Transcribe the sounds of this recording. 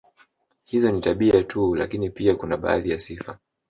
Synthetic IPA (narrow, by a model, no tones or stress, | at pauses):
hizɔnitaɓiatʰula̰kinipiakunaɓa̰ːðijasifa